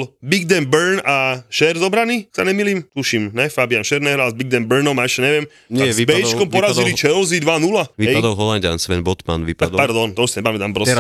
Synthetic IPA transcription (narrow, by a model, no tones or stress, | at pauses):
lbiɡd̪ɛmbɛɾnaʃɛɾzɔbɾanisa̰ɲɛmilimt̪uʃimnɛfabianʃɛɾnɛɦɾalzbiɡ̚d̪ɛmbɛɾnɔmaɛʃɛɲɛʋɪɛm | ɲazibɛjɛt͡ʃkkɔmpɔɾazilit͡ʃɛɔʊzid̪ʋanulaiɦɛjd̪ɔlɦɔlandansʋɛnbɔt̪ma̰nʋiːpapaɾd̪ɔnt̪ɔuʃsaɲɛbaːmɛd̪ampɾɔ